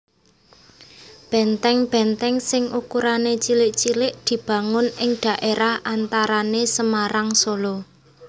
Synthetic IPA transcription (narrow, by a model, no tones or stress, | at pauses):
b̥ɛ̤nt̪ɛŋb̥ɛnt̪ɛŋsɪŋʔukuɾanet͡ʃilɪʔt͡ʃilɪʔd̪̥i̤b̥ä̤ŋʊnɪŋɖ̪̥a̤ʔeɾahant̪aɾanesəmaɾaŋsolo